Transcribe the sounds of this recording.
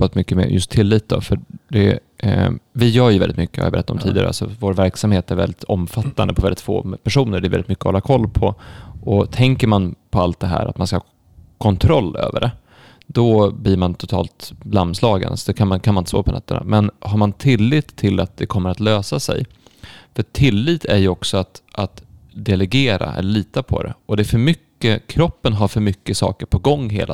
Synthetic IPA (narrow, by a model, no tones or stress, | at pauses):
at̪mʏkːəmɛ̰ːjɵ̰st̪ʰːɪlːiːt̪̚d̪ɔ̰fœɖɛ | vɪjœːɾjɵvɛlɪt̪mʏkːəja̰j̰bɛɾɛt̪ːat̪ɔmt̪ḭːd̪ɪa̰ɾəalsɔvoːɾvæɾksamheːt̪æɾvɛlːɪt̪ʰɔmfat̪ːa̰nd̪əpʰɔvɛlːɪt̪fo̰ːpʰæʂuːnəɾɖɛɾvɛlɪt̪mʏkːəɔhɔlːakʰɔlːpʰɔʔɔt̪ʰɛŋkəɾmanpʰɔalt̪̚d̪ɛɦæ̰ːɾʔa̰t̪manskahɑː | kʰɔnt̪ʰɾɔlːø̰ːvə̰ɖɛ | d̪ɔbliɾmant̪ʰʊt̪ʰɑ̰ːlt̪blamːslɑːɡə̰nsɔd̪ɛkʰanmankʰanmanɪnt̪əsto̰ːpʰɔnɛ̰t̪ːəna̰mɛnɦaɾmant̪ʰɪlːiːt̪ʰːɪlat̪̚d̪ɛkʰɔmːəɾat̪løːsasɛ̰j | fœʈʰːɪlːiːt̪ʰæɾjɵɔksɔat̪ʔat̪d̪ɛlɛɡeːɾa̰ʔɛ̰lːəɭiːt̪apʰɔ̰d̪ɛ̰ʔɔd̪ɛæɾfœɾmʏkːəkʰɾɔpːənɦaɾfœɾmʏkːəsɑ̰ːkəɾpʰɔɡɔŋːɦḛːlʔa